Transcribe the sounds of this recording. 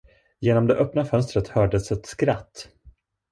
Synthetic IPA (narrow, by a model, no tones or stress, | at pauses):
jeːnɔmd̪ɛʔœpnafœnst̪ɾət̪hœːɖəsɛt̪skɾat̪ː